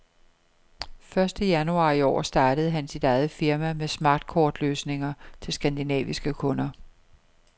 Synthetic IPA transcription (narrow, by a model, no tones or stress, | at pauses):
fɶɐsd̥əjænuɑ̈ːiɒ̰ːsd̥ɑ̈ːd̥əð̞̩ˠɦænsid̥ɑɪð̩ˠfiɐmæmesmɑ̈d̥̚kʰɒːd̥løːsne̝ŋɐt͡sʰe̝lsɡ̥ænd̥inɛ̰ːʋisɡ̥əkʰɔ̽nɐ